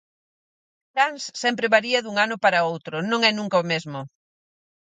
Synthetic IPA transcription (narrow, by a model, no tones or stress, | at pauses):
k̪ɾansːɛmpɾɪβaɾiɐðuŋanʊpaɾɐowt̪ɾʊnõŋɛnũŋkɐomezmʊ